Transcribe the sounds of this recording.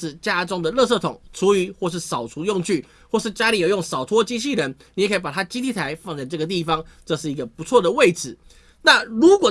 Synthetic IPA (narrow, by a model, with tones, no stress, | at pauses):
t͡ɕja˥ʈ͡ʂʊ˥ŋd̪ə˨lɤ˥˧s̬ɤ˥˩t̪ʰʊ˨˩˦ŋʈ͡ʂʰu˧˥y˧˥xwɔ˥˧ʂ̬ɻ̩˥˩sɑ˨˩ʊt͡sʰu˧˥jʊ˥˧ŋt͡ɕʰy˥˩ | xwɔ˥˧ʂɻ̩˥˩t͡ɕja˥li˨˩jjʊ˥˩ŋsɑ˨˩ʊt̪ʰwɔ˥t͡ɕi˥ɕi˥˩ɻə˧˦nni˨˩ɛ˨˩kʰə˧˥˩pa˨˩t̪ʰa˥t͡ɕi˥t̪ʰi˥˩t̪ʰa˧˦ɪfɑ˥˧ŋt͡sa˥˧ɪʈ͡ʂɤ˥˩ɡə˩t̪̬i˥˩fɑ˦ŋʈ͡ʂɤ˥˧ʂ̬ɻ̩˥˩i˧˥ɡə˨pu˧˥t͡sʰwɔ˥˩d̪ə˩we˥˩ɪt͡sʰɹ̩˨˩˦ | na˥˩ɻu˧˥kwɔ˨˩